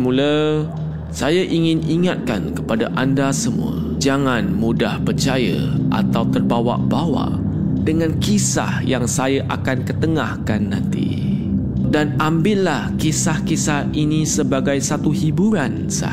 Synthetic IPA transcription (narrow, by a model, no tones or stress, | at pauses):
mulə | sajaʔiŋɪ̃niŋat̪̚ka̰nkəpadaʔandasəmṵə̰ | d͡ʒaŋãnmudahpərt͡ʃajə̰ʔa̰t̪awt̪ərbawa̰ʔbawa̰ʔdəŋãnkisa̰hjaŋsajaʔa̰kankət̪əŋahkanːã̰nt̪ḭ | danambɪʔlahkisahkisahinisəbaɡajsat̪uhibuɾan | sa̰